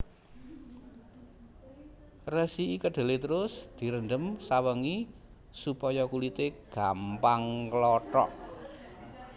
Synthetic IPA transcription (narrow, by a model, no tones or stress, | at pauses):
rəsiʔikəɖ̥e̤let̪əɾʊsd̪̥i̤ɾənɖəmsawəŋi | supɔjɔkulit̪eɡ̥ampaŋklɔʈɔ̰ʔ